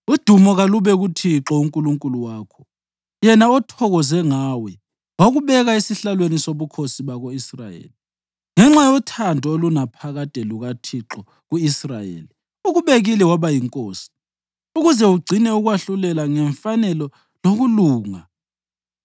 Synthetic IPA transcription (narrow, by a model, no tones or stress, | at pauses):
ud̥ʱumɔɣaluβɛɣutʰiǁɔuŋkʼuluŋkʼuluwaːkʰɔ̥ | jɛnaɔtʰɔɣɔzɛŋawɛ | waɣuβɛɣaesiɬalwenisoβukʰosiβaɣoisra̰jḛːli | ŋɛŋ͡ǁajɔtʰandʱɔolunapʰaɣatʼɛluɣatʰiǁɔ | ɣuisra̰jḛːli | uɣuβeɣilɛwaβajiŋkʼoːsi̥ | uɣuzɛuɡ͡ǀʱinɛuɣwaɬulɛlaŋɛɱfanɛlɔ | loɣuluːŋa